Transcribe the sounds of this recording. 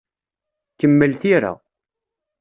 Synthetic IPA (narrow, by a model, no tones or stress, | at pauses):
kəmːəlθiɾa̰